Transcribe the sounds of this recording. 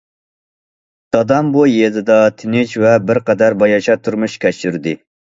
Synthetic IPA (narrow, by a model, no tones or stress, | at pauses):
d̪̥ɑd̪ɑmbujed̪ɨd̪ɑt̪ʰɪnɪt͡ʃvɛbɪɾqɛd̪æɾbɑjɑʃɑt̪ʰuɾmuʃkʲɛt͡ʃyɾd̪ɪ